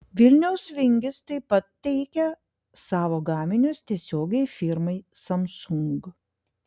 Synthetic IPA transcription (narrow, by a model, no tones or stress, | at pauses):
ʋʲɪlʲnʲɛʊsʋʲɪŋʲɡʲɪst̪ɐɪpɐt̪̚t̪ʲːɛɪkʲɛ | sɑːʋoːɡɑːmʲɪnʲʊst̪ʲiɛsʲoːɡʲɛɪfʲɪɾmɐɪsɐmsʊŋɡ